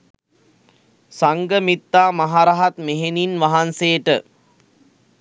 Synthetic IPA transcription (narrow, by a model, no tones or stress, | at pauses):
saŋɡəmit̪ːaːmaɦaɾaɦat̪meɦeninʋaɦanseːʈə